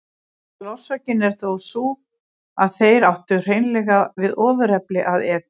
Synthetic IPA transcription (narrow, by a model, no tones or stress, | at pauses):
lɔwr̥sacɪnɛɾ̥θowsu | aðθejɾawht̪ʏr̥eːjnlɛːɣavɪðɔːvʏɾ̥ɛplɪʔaðɛː